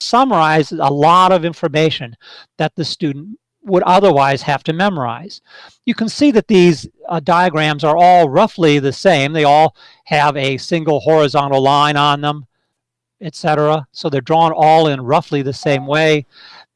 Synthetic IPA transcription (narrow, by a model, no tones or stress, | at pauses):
sʌmə˞aɪzə̰lɔɾʌvɪ̃ɱfə˞meɪʃɨ̃nðɨt̪̚ðɨstʉdⁿn̩t | wəɾʌðə˞waɪz̥hæftɨmɛmə˞a̰ɪz̥ | jɨkɨ̃n̩siðɨt̪̚ðizdaɪɨɡɹæ̃mzə˞ɔlˠɹʌfliðɨsẽɪ̃mðeɪɔlˠ | hɨvɨsɪ̃ŋɡl̩ˠhɔɹɨzɑ̃ñl̩ˠlãɪ̃nə̃nðə̃m | ɨtsɛɾə˞əsoʊðə˞dɹɔ̃nɔlˠɪ̃nɹʌfliðɨsẽɪ̃mweɪ